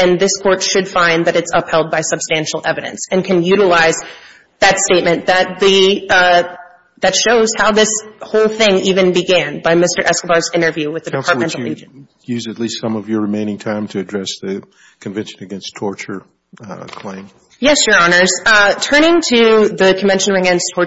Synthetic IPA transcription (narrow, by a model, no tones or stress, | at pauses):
ɨ̃nðɪskʰɔɹtʃɨd̥fãɪ̃nðɨɾɨtsʌphɛlˠd̚baɪsɨb̥stæ̃nʃl̩ˠɛvɨɾɨ̰̃nsɨ̃nkʰɨ̃njʉɾəlaɪz | ðɨtsteɪt̚mɨ̃nðɨt̪̚ðɨ | ðɨtʃoʊz̥haʊðɪshoʊlˠθɪ̃ŋivɨ̃nbɨɡæ̃nbaɪmɪstə˞ʔɛskəbɑɹzɪ̃ɾ̃ə˞vjʉwɨðɨdɨpʰɑɹt̚mɛ̃nˡl̩ˠḛɪd͡ʒ̃ | jʉzɨtˡlistsʌ̃mʌvjə˞ɹɨmẽɪ̃ñɪ̃ŋtʰãɪ̃mtʰɨɨdɹɛsðɨ | kʰɨ̃ɱvɛ̃nʃɨ̃nɨɡɛ̃nstʰɔɹt͡ʃə˞ | kʰl̥ẽɪ̃m | jɛsjə˞ɑnə˞z̥tʰɜ̃˞ñɪ̃ŋtʰɨðɨkʰɱ̩vɛ̃nʃɨn̩ɨɡɛ̃nstʰɔɹ